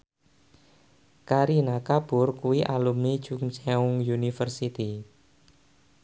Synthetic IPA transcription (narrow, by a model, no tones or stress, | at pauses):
kaɾinakab̥ʊrkuwiʔalumi̥ʒ̥uŋsɛuŋjunifərsit̪i